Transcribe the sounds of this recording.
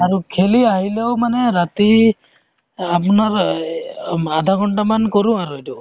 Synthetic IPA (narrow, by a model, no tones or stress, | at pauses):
aɹukʰeliaɦileʊmanɛɹati | apɔnaɹ | adʱakɔɳʈamankɔɹũaɹuetu